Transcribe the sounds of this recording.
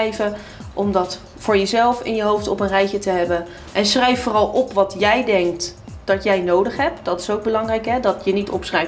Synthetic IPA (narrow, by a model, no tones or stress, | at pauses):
jvə | ʔɔmdɑt | fʊːɹjəzɛlˠfɪ̰njəɦowftɔpənrɛjkətəɦɛbən | ʔɛnsχrɛjfːʊːrɑlˠʔɔpʋɑtjɛjdɛŋk̚td̥ɑtjɛjnowdəχɦɛp̚td̥ɑtɪ̥sowɡ̚bəlɑŋrɛjkɦɛdɑtjənitɔ̰psχrɛj